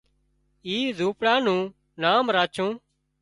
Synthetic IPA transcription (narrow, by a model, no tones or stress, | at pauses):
iːzʱũːpɽaːnũː | naːmɾaːt͡ʃʰũː